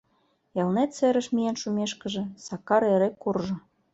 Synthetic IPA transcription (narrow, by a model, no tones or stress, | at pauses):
elnet̪seɾə̆ʃmijenʃumeʃkə̆ʒĕsɑkɑɾeɾekurʒɤ̆